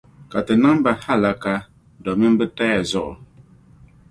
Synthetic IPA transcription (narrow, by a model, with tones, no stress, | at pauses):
ka˨tɨ˨na˦ŋ˦ba˨ha˦˨la˦ka˦ | dɔ˨mi˦m˦bɨ˦ta˦ja˨zɔ˦˨ʔ